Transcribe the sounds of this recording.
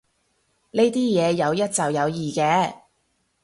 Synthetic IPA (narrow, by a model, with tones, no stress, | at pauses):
ne˥jt̪iː˥jɛː˨˧jɐ˨˧wjɐ˥t̚t͡sɐ˨wjɐ˨˧wjiː˨kɛː˧˥